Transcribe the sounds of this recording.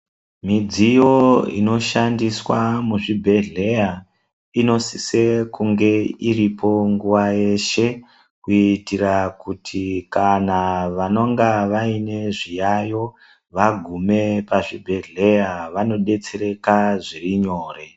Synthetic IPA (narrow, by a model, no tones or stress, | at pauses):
mid͡zijo̞ḭno̞ʃandiswamuʐibʱe̞ɮe̞ja | ino̞sisekuŋɡe̞iripo̞ŋɡuʋaje̞ʃe̞ | kuitirakutʰikanaʋano̞ŋɡaʋaine̞ʐijajo̞ | ʋaɡʱume̞paʐibʱe̞ɮe̞jaʋano̞ɗe̞t͡se̞ɾe̞kaʐiriɲo̞ːre̞